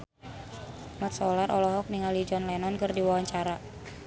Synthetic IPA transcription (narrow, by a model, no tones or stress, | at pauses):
mat̪̚sɔlaɾʔɔlɔɦɔk̚niŋalid͡ʒɔnlɛnɔnkərdiwawaɲt͡ʃaɾa